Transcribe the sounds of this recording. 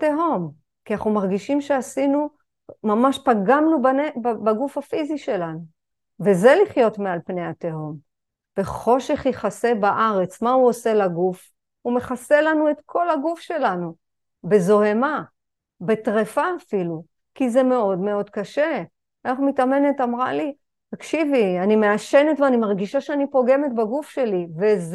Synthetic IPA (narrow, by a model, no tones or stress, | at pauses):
teɦo̞m | kinaχnumaʁɡiʃimʃeasinu | mamaʃpaɡamnubanebbaɡufhafiziʃe̞lanu | ve̞ze̞liχjo̞tmealpne̞jhateɦo̞m | be̞χo̞ʃe̞χjiχase̞baʔaʁe̞t͡smauose̞laɡuf | ume̞χase̞lanue̞tkʰo̞lhaɡufʃe̞lanu | be̞zo̞ɦe̞ma | be̞tʁefaːfilu | kizeme̞o̞dme̞o̞dkaʃe | eχmitame̞ne̞tamʁali | takʃivianime̞aʃe̞ne̞tveanimaʁɡiʃaʃeanipo̞ɡe̞met̚baɡufʃelivez